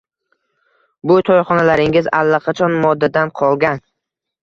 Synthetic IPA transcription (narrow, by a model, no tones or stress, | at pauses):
bʊt̪ʰɒjχɒnalaɾɪŋɪza̰lːaqʰɑt͡ʃʰɒnmɒd̪ːad̪anqʰɒlˠɡʲan